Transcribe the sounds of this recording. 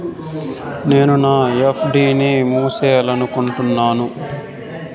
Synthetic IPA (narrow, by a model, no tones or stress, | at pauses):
neːnunaːepʰɖiːnimuːseːlɐnukuɳʈunːaːnu